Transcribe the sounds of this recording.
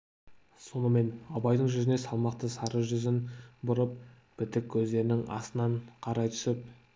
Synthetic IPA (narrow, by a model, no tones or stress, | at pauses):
so̞nəme̞nɑbɑjd̪əɴʒʏzɪnesɑlˠmɑqt̪əsɑɾəʒʏzɪnbʊɾəp̚ | b̥ɪt̪ɪkʲʰːɵzd̪e̞ɾɪnɪŋʔɑ̰sənɑɴqʰɑɾɑjt̪ʰʏ̥sɪp̚